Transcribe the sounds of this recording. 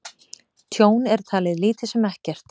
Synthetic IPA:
t̪ʰjoːwnɛɾ̥t̪ʰaːlɪðliːt̪ɪ̥sɛmɛhcɛr̥t̪

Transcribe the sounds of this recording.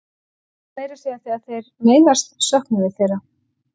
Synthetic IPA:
meːjɾasiaθiːaθejɾmeːjnast̪sœhknʏvɪθejɾa

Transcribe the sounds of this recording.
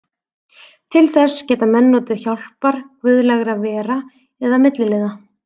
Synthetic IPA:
t̪ʰɪlθɛscɛːt̪amɛnːot̪ʏçawl̥paɾ̥kvʏðlɛɣɾavɛːɾa | ɛðamɪt̪lɪlɪːða

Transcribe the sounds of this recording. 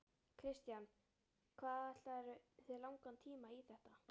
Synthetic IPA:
kʰɾɪst̪jan | kʰvaːðɛt̪aɛɾʏθɛlawŋkant̪ʰiːmaiθɛht̪a

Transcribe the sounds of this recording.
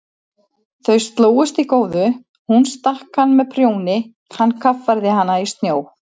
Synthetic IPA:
θœɥst̪loːwʏst̪ikoːwðʏ | hunst̪ahkhanːmɛðpʰɾjoːwnɪ | hanːkʰafaɾðɪɦanːaist̪njoːw

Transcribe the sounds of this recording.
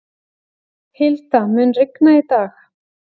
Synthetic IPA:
hɪlt̪amʏnrɪknait̪aːx

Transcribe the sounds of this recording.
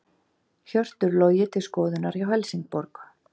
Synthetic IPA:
çœr̥t̪ʏɾloːwjɪt̪ʰɪlskɔːðʏnaɾjawɦɛlsiŋk̚pɔɾk

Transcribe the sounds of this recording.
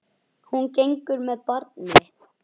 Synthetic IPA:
huncejŋkʏɾmɛðpɔɾt̪nɪ

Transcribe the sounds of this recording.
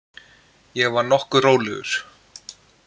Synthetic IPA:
jɛɣvaɾnɔhkʏroːwlɛɣʏ̰ɾ̥

